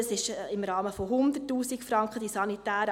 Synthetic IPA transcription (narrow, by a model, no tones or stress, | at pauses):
sɪʃɪmɾɑːməfɔɦʊnd̪ətːuːsikfɾɑŋkχəd̥isɑnitæːɾə